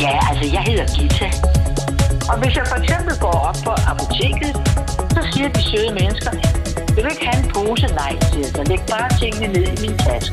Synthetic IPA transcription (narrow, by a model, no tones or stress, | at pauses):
jæælsɒjɑ̈ɪɦe̝ð̰ˠɐɡ̥it͡sʰæ | ɒ̽ʋe̝sjɑ̈ɪfɒ̽eɡ̥semb̥l̩ɡ̥ɒ̰ːɒ̽b̥̚pʰɒ̽ʔɑpʰo̝t͡sʰe̝̰ːɡ̥ð̞̩ˠ | sɒ̽siːɐd̥iɕeðˠəmenəsɡ̥ɐ | j̥eʋee̝ɡ̥hænpʰo̝ːsənɑ̈ɪ̰sʰeæsɒleɡ̥̚b̥ɑ̈ːt͡sʰe̝ŋ̰ənəne̝ð̞̰ˠiminsʰæsɡ̥